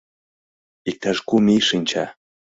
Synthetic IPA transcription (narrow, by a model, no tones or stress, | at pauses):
ik̚t̪aʃkumiʃinʲt͡ɕɑ